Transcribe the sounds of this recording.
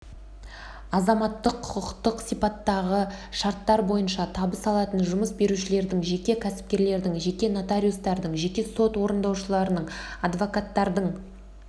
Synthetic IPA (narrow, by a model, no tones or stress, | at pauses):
ɑzɑmɑt̪ːəqʰːʊ̥qəqt̪əqsijpɑt̪ːɑʁəʃɑɾt̪ːɑɾbo̞jənʃɑt̪ʰɑbəsɑlˠɑt̪ənʒʊməsbe̞ɾuʃɪle̞ɾd̪ɪŋʒe̞kʲe̞kʲʰæsɪ̥p̚kʲe̞ɾle̞ɾd̪ɪŋʒe̞kʲe̞nat̪aɾʲiust̪ɑɾd̪əɴʒe̞kʲe̞so̞t̪wo̞ɾənd̪ɑwʃəlˠɑɾənəɴɑd̪vo̞kat̪ːɑɾd̪əɴ